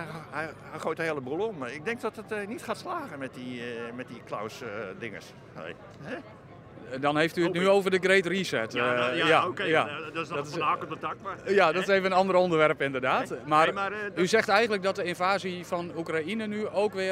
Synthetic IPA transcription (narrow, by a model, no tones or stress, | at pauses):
ojtəheəlˠəbulˠəɔmɪk̚dɛŋk̚dɔtətnitχaːtslaːɣəmɛtimɛt̚dikla̰wsdɪŋə̰s | ḛ | ɛ | dɔnheːftyətnyoːvərdəɡreːtrisɛtjajaɔtaɔətakjadɔtɪseːvəənɔndərondərʋɛrpɪndərdaːtmaryzɛxtɛjɣən̩tlək̚dɔt̚dəɪnvaːzifɔnukrainənyoːkʋɪ